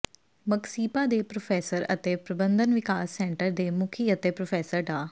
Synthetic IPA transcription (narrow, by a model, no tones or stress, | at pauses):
məksiːpaːd̪eːpɾoːpʰɛːsəɾə̰t̪eːpɾəbənd̪ənʋɪkaːsːɛ̃ːɳʈəɾd̪eːmʊkʰiːət̪eːpɾoːpʰɛːsəɾɖaː